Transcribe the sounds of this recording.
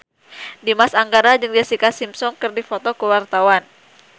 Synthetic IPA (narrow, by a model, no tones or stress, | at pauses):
dimasaŋɡaɾad͡ʒɨŋdiasikasimsɔŋkɨrdifɔt̪ɔkəwart̪awan